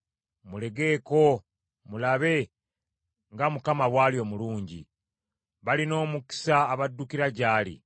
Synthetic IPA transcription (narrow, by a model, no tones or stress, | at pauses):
mule̞ɡe̞ːko̞ | mulaβe̞ | ŋɡamukamaβwaːlio̞ːmuluːɲɟi | βalino̞ːmuki̥saːβadːukiɾaɟaːlḭ